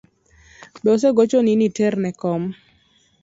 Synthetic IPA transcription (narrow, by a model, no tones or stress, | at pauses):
bɔsɛɡot͡ʃoninitɛrnɛkɔm